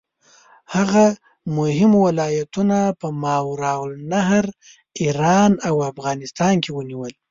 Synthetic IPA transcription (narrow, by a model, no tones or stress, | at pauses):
haɣa | mʊɦɪmwɪlɑjat̪unapəmɑwɾɑwlnaɦɾ | iɾɑnawafɣɑnɪst̪ɑnkewəniwəl